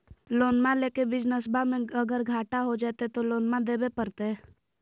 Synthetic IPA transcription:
loːnmãleːkebɪd͡ʒnəsbamẽəɡəɾɡʱaːʈaɦod͡ʒaːt̪et̪oloːnmãd̪eːbepəɾt̪eɛ

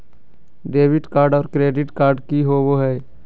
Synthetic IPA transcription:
ɖeːʋɪʈkaːɾɖɔːɾkɾeːɖɪʈkaːɾɖkiɦoʋoɦɛː

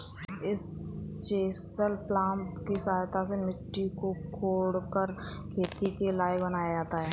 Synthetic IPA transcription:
ɪs | t͡ʃeːsəlplãːmpkisaːjt̪ʰasemɪʈːikokʰoːɽkəɾ | kʰeːt̪ikelaːjbənaːjad͡ʒaːt̪aɦɛː

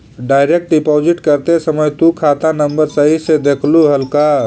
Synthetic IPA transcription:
ɖajɾek̚ʈɖipod͡ʒiʈkəɾt̪esəməjt̪ukʰat̪anəmbəɾsəised̪ekʰluɦəlka

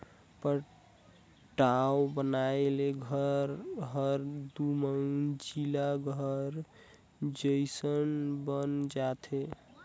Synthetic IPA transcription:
pə | ʈawobənaeleɡʱəɾɦəɾd̪uməŋd͡ʒilaɡʱəɾ | d͡ʒəjsənbənd͡ʒat̪ʰe

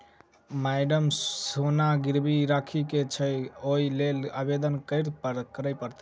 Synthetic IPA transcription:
maɪɖəmsonaɡiɾbiɾakʰiket͡ʃʰəjoilelabed̪ənkəɪɾt̪pəɾkəɾəjpəɾt̪

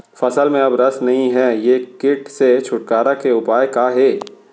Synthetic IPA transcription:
fɐsəlmẽɐbɾɐsnɐɦĩɦɛːjekɪʈset͡ʃʰʊʈ̚kaːɾakeʊpaːjkaɦeː

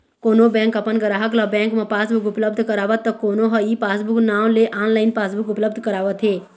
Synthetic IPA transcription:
koːnobɛ̃ːŋkəpənɡəɾaːɦəklabɛ̃ːŋkmãpaːsbʊkʊpləb̚d̪ʱkəɾaːʋət̪ːəkoːnoɦəipaːsbʊknaːwleʔaːnlaːɪnpaːsbukʊpləbd̪ʱkəɾaːʋət̪ɦeː

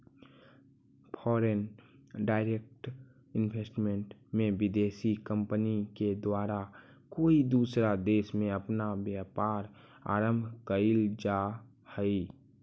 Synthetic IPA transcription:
pʰɔːɾenɖaːɪɾeːk̚ʈ | ɪnʋeːsʈmẽɳʈmẽʋɪd̪eːsikə̃mpəniked̪waːɾa | koːid̪uːsɾad̪eːʃmẽəpnabjaːpaːɾ | a̰ːɾə̃mbʱkəild͡ʒa | həi

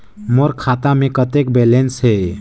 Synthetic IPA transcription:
moɾkʰat̪amẽkət̪ek̚belensɦe

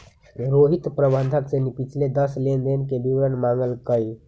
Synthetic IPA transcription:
ɾoɦit̪pɾəbənd̪ʱəksenipit͡ʃʰled̪əslend̪enkebiwɾənmaŋɡəlkəj

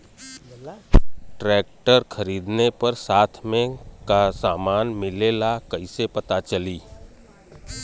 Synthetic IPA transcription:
ʈɾɛːk̚ʈəɾxʰɐɾiːd̪nepɐɾsaːt̪ʰmẽkasaːmaːnmɪlelakɐɪsepɐt̪at͡ʃɐliː

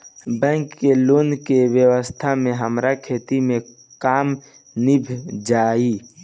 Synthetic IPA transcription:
bɛ̃ːŋkːeloːnkewjəwəst̪ʰamẽɦəmɾakʰeːt̪imẽ | kaːm | nibʱd͡ʒaːi

